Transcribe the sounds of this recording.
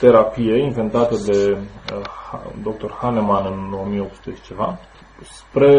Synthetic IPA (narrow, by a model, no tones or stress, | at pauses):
t̪e̞ɾapije̞inve̞nt̪at̪əd̪e̞ | ad̪o̞k̚t̪o̞rhane̞manɨno̞mijeo̞psu̥t̪ə̥t͡ʃeva | spɾe̞